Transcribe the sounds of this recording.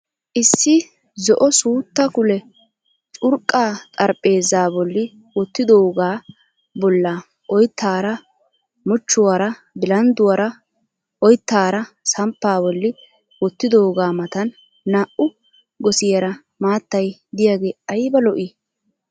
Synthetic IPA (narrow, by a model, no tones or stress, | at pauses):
ʔɪsːɪ | zɔʔɔsuːt̪ːɐkʊlɛ | t͡ʃʼʊɾkʼːaːt̪ʼɐɾpʼːe̞ːzaːbɔlːɪ | wɔt̪ːɪd̪oːɡaː | bɔlːa | ʔɔjt̪ʰːaːɾɐ | mʊt͡ʃːʊwaɾɐ | bɪlɐnd̪ʊwɐɾɐ | ʔɔjt̪ːaːɾɐsɐmpːaːbɔlːɪ | wɔt̪ːɪd̪oːɡaːmɐt̪ɐnː | aːʔʊ | ɡɔsɪjɐɾɐ | maːt̪ːɐjd̪ɪjaːɡeːɐjbɐlɔʔɪ